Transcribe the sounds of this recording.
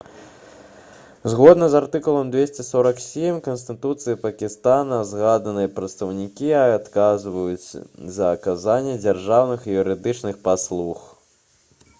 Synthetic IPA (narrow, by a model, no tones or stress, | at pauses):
zɣɔd̪nɐzart̪ɨkulˠɐmd̪vʲesʲt͡sʲɛsɔɾɐksʲemʲkɐnst̪ɨt̪ut̪sɨjipɐkʲist̪anɐzɣad̪ɐnɨjɛpɾɐt̪st̪ɐwnʲikʲiaat̪kazvɐjut͡sʲzɐːkazanʲːɛd͡zʲarʐawnɨxijuɾɨd̪ɨt͡ʂnɨxpaslˠux